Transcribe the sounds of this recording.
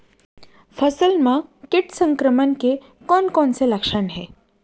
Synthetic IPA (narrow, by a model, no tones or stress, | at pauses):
fəsəlmakiʈsəŋkɾəmənke | kɔnkɔnt͡seləkʂanɦe